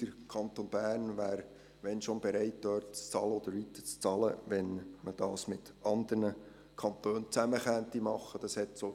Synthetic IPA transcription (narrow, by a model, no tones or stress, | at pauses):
əɾkʰɑnt̪onb̥æːɾnʋæːɾ | ʋɛnʃonbɛɾæɪt̚d̪œːɾtt͡st͡sɑləɔd̪əɾʋit̪ːə̥t͡st͡sɑləʋɛnməd̥ɑːsmɪt̪ | ʔɑnd̪ərnə | kʰɑnt̪øːnt͡sæməχænt̪imɑχːəd̥ɑshɛtso